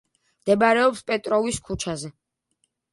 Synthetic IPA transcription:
md̪̥ɛbɾɛɔpspʼɛt̪ʼɾɔviskʰut͡ʃʰazɛ

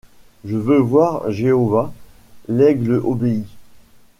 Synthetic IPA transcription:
ʒəvøvwaʁʒeɔva | lɛɡləʔobei

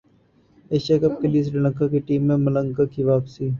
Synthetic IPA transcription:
eʃaːkɐb̚keliːs̬ɖɪlə̃ŋkakeʈiːmːẽmɐlə̃ŋkaːkiʋaːpsiː

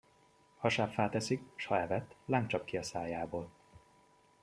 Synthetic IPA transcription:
hɒʃaːpfaːt̪ɛsikʃhɒɛvɛt̪ːlaːŋkt͡ʃɒpkiɒsaːjaːboːl

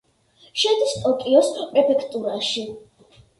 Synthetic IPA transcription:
ʃɛd̪ist̪ʼɔkʼiɔspʼɾɛpʰɛkʰt̪ʼuɾaʃi

